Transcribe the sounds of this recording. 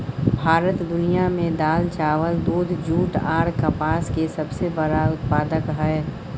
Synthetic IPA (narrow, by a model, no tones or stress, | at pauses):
bʱaːɾət̪d̪ʊnijamẽd̪aːlt͡ʃaːʋəld̪uːd̪ʱd͡ʒuːʈaːɾkəpaːskesəbsebəɾaʊt̪paːd̪əkɦɛː